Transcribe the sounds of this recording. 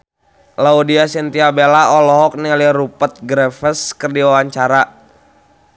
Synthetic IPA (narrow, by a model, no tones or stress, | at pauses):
laudiasint̪iabelaɔlɔɦɔk̚nialirupət̪̚ɡɾɛfəskərdiwawaɲt͡ʃaɾa